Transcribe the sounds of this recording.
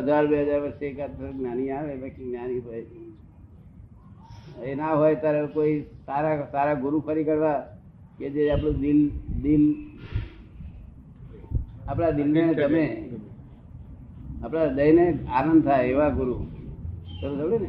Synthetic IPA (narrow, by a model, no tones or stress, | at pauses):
ɦəd͡ʒaɾbeɦəd͡ʒaɾʋəɾsekat̪əɾnaniaʋebəkt͡ʃiɡnanipəi | enaɦojt̪aɾekoisaɾasaɾaɡʊɾupʰəɾikəɽʋa | ked͡ʒeap̬ɽ̃ũd̪ild̪il | apɽad̪ilnet̪əme | apɽad̪əineanə̃nd̪̚t̪ʰajeʋaɡʊɾu | səɾusəɽene